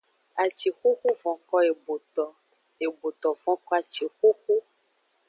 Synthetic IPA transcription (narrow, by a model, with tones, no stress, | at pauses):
a˨t͡ʃi˨xo˦ku˦vɔ̃˨kɔ˦e˨bo˨tɔ˨ | e˨bo˨t̪ɔ˨vɔ̃˨˦kɔ˦a˨t͡ʃi˨xo˦ku˦